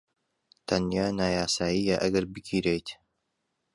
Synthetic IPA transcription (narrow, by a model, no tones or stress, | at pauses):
t̪ʰɐnjaːnaːjaːsaːjijaʔɐɡɐɾbɨkʰiːɾejt̪